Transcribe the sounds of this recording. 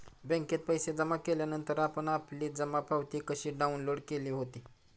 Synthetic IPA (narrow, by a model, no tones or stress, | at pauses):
bə̃ŋket̪̚pəjsed͡zəmakeljanənt̪əɾapəɳapliːd͡zəmapʰawt̪iːkəɕiːɖaunloɽkeliːɦot̪iː